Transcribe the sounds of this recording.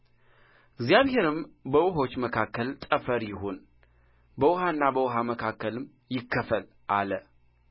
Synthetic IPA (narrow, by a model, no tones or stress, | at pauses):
ɪɡzjaβhe̞ɾɨmbəwʊɦo̞t͡ʃːməkʰakːəlt̪ʼəfəɾjɪɦon | bəwʊɦaɨnːabəwʊɦaməkʰakːəlɨm | jɪkːəfəl | ʔalə